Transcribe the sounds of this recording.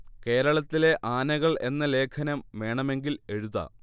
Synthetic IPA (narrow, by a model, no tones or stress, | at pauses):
ke̞ːɾɐɭɐt̪ːile̞ʔaːnɐɣɐɭe̞nːɐle̞ːkʰɐnɐmʋe̞ːɳɐme̞ŋɡile̞ɻuðɐ̰